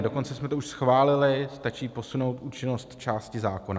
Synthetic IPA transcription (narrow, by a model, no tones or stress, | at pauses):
do̞ko̞nt͡sɛsmɛt̪ouʃsxvaːlɪlɪst̪at͡ʃiːpo̞suno̞wt̪ʔuːt͡ʃɪno̞st̪t͡ʃaːscɪzaːko̞na